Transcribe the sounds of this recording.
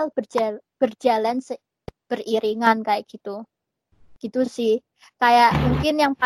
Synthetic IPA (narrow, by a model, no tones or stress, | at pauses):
lb̥ərd͡ʒab̥ərd͡ʒalansə | b̥əriɾiŋankajaʔɡ̥it̪u | ɡ̥it̪usɪh | kajaʔmuŋkɪnjaŋpa